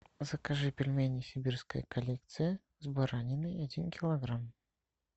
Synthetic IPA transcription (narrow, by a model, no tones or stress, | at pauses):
zəkaʐɨpʲɪlʲmʲenʲɪsʲɪbʲirskəjə̰kɐlʲek̚t̪sɨjə | zbaɾanʲɪnɨɐdʲinkʲɪlˠɐɡɾam